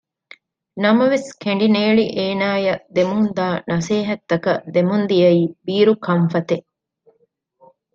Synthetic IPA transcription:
nɐmɐʋeskeɳɖineːɭiʔeːnaːjɐd̪emund̪aːnɐseːɦɐt̪ːɐkɐd̪emund̪ijɐiːbiːɾukʰɐɱfɐt̪e

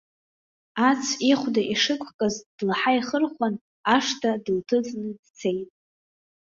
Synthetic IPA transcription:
at͡sʰiχʷdaʔiʂɨkʷʰkʼazd̥laħaiχərχʷan | aʂtʰadɨltʰɨd͡znɨdt͡sʰe̞jtʼ

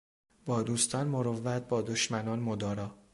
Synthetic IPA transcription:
b̥ɒːd̪uːst̪ʰɒːnmoɾovːæt̪̚bɒːd̪oʃmænɒːnmod̪ɒːɾɒː

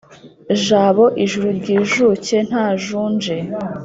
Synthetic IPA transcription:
ʒaːβo̞ʔiʒuɾuɾɟiːʒuce̞n̥haːʒuːnd͡ʒe̞

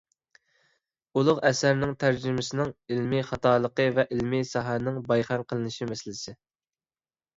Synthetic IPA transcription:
ulˠʊqɛsæɾnɪŋt̪ʰæɾd͡ʒɪmɪsɪnɪŋilmɪχɑt̪ɑːlˠəqəvɛʔilmɪsɑɦænɪŋbɑjχæmqʰəlˠɨnɨʃimɛsɪlɪsɪ

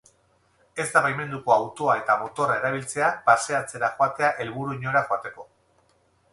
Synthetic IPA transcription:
e̞zd̪aβajme̞nd̪uko̞awt̪o̞ae̞t̪amo̞t̪o̞rae̞ɾaβ̞ilt͡se̞apase̞at͡se̞ɾaxoat̪e̞aʔe̞lβuɾuiɲo̞ɾaxoat̪e̞ko̞

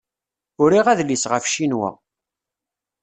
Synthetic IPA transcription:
ʊɾiʁæðlisʁəfʃinwæ̰

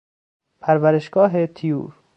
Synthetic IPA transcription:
pʰæɾvæɾeʃɡ̥ɒːɦet̪ʰijṵːɾ

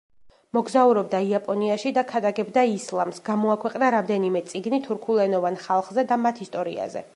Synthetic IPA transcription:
mɔɡzauɾɔb̚d̪aiapʼɔniaʃid̪akʰad̪aɡɛbd̪aislˠamsɡamɔakʰwɛqʼnaɾamd̪ɛnimɛt̪sʼiɡnit̪ʰuɾkʰulˠɛnɔvanχalˠχzɛd̪amat̪ʰist̪ʼɔɾḭa̰zɛ̰

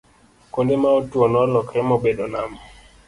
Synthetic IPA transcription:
kondemaotwɔnɔlɔkɾɛmobedonam

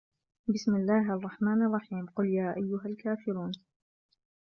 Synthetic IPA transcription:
bɪsmɪlːaːɦʔɑrˤːɑħmaːnɑrˤːɑħiːmqʊljaːʔajːʊɦalkaːfɪɾuːn

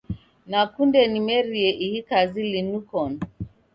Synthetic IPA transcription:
nakundɛnimɛɾiɛʔihikazilinukɔn

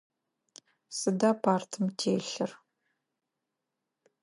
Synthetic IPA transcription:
sɨdaːpʰaːrtʰɨmtʰeːɬɨr

